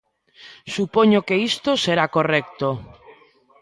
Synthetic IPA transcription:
supɔɲokeist̪oseɾakorɛk̚t̪o

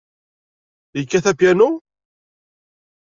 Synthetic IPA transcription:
jəkːæθæpjænu

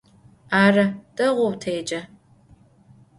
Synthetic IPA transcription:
aːrɐtʼɐʁʷowtʰejd͡ʒʼɐ

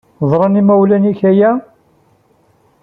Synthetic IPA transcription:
ðˤɾˤɑnimæwlæniçæjæ

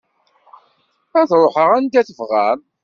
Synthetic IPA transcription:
æðɾˤoħəʁænd̪æθəvʁæn

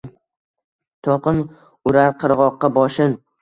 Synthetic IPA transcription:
t̪ʰɒqɨn | ʊɾaɾqʰɨɾʁɒqːɑbɒʃɪn

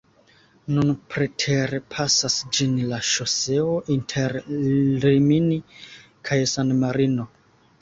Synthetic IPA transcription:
nunpɾetʰe̞ɾe̞pʰasasd͡ʒinlaʃo̞se̞oʔintʰe̞ɾlimini | kʰajsanmaɾino̞

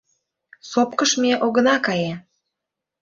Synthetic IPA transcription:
sop̚kəʃmeʔoɣə̆nɑkɑje

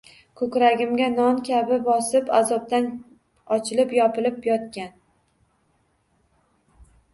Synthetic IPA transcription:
kʰɵkʲɾaɡʲɪmɡʲanɒnkʲʰabɪbɒsɪpa̰zɒp̚t̪an | ɒt͡ʃʰɪlɪpjɒpɪlɪpjɒt̪̚kʲan

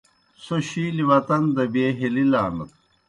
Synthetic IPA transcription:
soɕiːliwɐt̪ɐnd̪ɐbeːɦelilaːnɐt̪̚

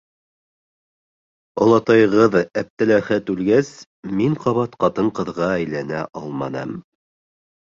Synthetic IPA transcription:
ŏlˠɑt̪ɑjʁɤðæp̚t̪ɘ̆læhæt̪ʉlɡæs | miɴqʰɑβɑt̪qɑt̪ɤɴqɤ̆ðʁɑæjlænæ̰ʔɑlˠmɑnɑ̰m

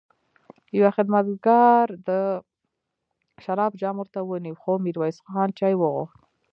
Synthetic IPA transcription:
jawaxɪd̪mat̪ɡɑɾd̪ə | ʃaɾɑbd͡ʒɑmʊɾt̪awəniwxomiɾwɑjsxxɑnt͡ʃɑjwəɣṵxt̪

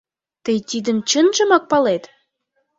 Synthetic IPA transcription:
t̪əjt̪id̪ə̆mt͡ɕənʒə̆mɑk̚pɑlet̪

